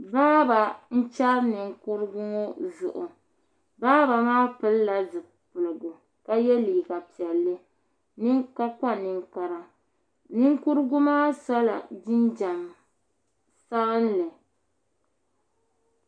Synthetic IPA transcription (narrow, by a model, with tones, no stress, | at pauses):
baː˦ba˨n̩˦t͡ʃa˦ɾnɨ˨ŋku˦ɾɨ˦ɡʊ˦ŋɔ˦zʊ̰˨ʔʊ̰˨ | baː˦ba˨maː˦pɨ˦lla˨zɨ˨ | pʊ˨lɨ˨ɡʊ˨ | ka˦jɛ˦liː˨ka˨pi˨ɛ˨lːɨ˦ | nɨ˦ŋka˦ka˦nɨ˨ŋka˨ɾa˨ | nɨ˦ŋku˦ɾɨ˦ɡʊ˦maː˦sa˦la̰˨d͡ʒi˦nd͡ʒa˨m | sa˦ɣɨ˦n˦lɨ˨